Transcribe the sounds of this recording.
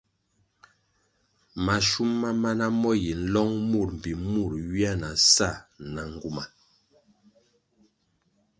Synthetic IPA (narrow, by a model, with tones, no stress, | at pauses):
ma˨ʃu˦mːa˦ma˦na˦mɔ˦ji˨n̩˦lɔ˦ŋmu˦˨ɾm̩˨pi˨mu˦˨ɾɥi˦a˦na˨sa˦˨na˨ŋ˦ɡu˦ma˨